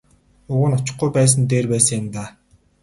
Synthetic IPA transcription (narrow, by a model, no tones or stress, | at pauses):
ʊɣə̆nɔt͡ɕɪ̆χ̚ɡujpæːs̬ə̆nt̪̬eːrpæːsə̆ŋjamt̪aː